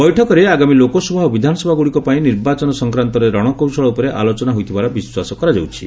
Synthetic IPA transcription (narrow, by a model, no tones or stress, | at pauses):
bɔjʈʰɔkɔɾeaɡamilokɔsubʱaɦɔbid̪ʱanɔsɔbʱaɡuɽikɔpaĩniɾbat͡ʃɔnɔsɔŋkɾant̪ɔɾeɾɔɽ̃ɔkowsɔɭɔupɔɾeʔa̰lot͡ʃɔnaɦojt̪ʰibaɾɔbiswasɔkɔɾad͡ʒawt͡ʃʰi̥